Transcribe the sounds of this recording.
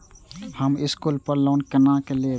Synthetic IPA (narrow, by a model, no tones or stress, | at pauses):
həmɪskulpəɾloːnkənãːkeleː